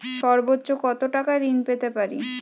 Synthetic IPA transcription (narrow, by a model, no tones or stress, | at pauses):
ʃɔɾbotːɕokɔt̪oʈakaɾinpet̪epaɾḭ